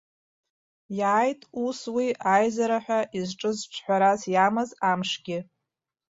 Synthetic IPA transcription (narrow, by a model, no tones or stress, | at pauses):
jaːjtʼuswiʔajzaɾaħʷᶣaʔizʈ͡ʂʼɨzt͡ʃʷʰħʷᶣaɾazjamɨzamʂɡʲɪ